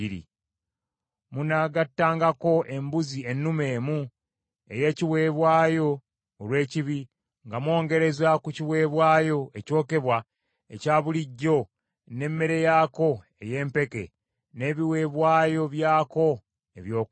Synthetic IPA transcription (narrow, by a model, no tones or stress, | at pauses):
iɾḭ | munaɡatːaːŋɡako̞ʔe̞mbuzie̞nːume̞ːmu | e̞je̞ːciwe̞ːβwaːjo̞ː | lwe̞ːciβi | ŋɡamwo̞ːŋɡe̞ɾe̞zakuciwe̞ːβwaːjo̞eco̞ːke̞βwa | ḛcaːβuliɟːo̞ | ne̞mːe̞ɾe̞jaːko̞ | e̞je̞ːmpe̞ke̞̰ | ne̞ːβiwe̞ːβwaːjo̞βjaːko̞ | e̞βjo̞ːk